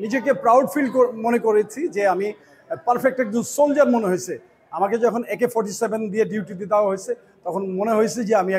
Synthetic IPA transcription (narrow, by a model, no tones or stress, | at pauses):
nid͡ʑekepɾawɖfilɖkomonekoɾet͡ɕʰid͡ʑeami | paɾfek̚ʈɛk̚d͡ʑonsold͡ʑaɾmoneɦojt͡ɕʰe | amaked͡ʑɔkʰonɛkefʰɔɾʈisebʱend̪ieɖiuʈit̪ed̪aoaɦojt͡ɕʰe | t̪ɔkʰonmoneɦojt͡ɕʰid͡ʑeami